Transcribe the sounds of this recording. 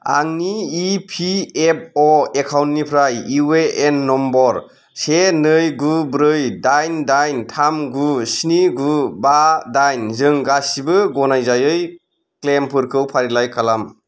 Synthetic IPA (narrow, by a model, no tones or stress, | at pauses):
a̰ŋniːpʰiep̚ɔekʰawntnipʰɾajiweenːɔmbɔɾ | senɯjɡubɾɯjdajndajntʰamɡusniɡubadajnzɯŋɡasibɯɡɔnajzajɯj | klempʰɯɾkʰɯwpʰaɾilajkʰalam